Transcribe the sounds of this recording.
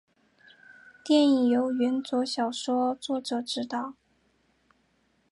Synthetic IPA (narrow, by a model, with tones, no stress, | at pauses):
t̪jɛ˥˩ni˨jo˧˥ʊɥɛ˧˥nt͡swɔ˧˥ɕjɑ˨˩ʊʂwɔ˥t͡swɔ˥˩ʈ͡ʂɤ˨˩˦ʈ͡ʂɻ̩˥˩t̪ɑ˥˩ʊ